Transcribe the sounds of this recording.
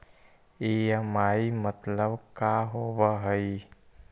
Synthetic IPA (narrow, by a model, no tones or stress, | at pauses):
ejəmaːimət̪ləbkaɦobəɦəi